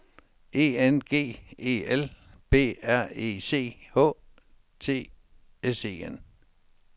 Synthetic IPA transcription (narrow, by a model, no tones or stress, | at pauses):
e̝̰ːenɡ̥e̝̰ːe̝̰ːelb̥e̝̰ːæɐ̰e̝̰ːse̝̰ːhɔ̰̽ː | t͡sʰe̝̰ː | ese̝̰ːen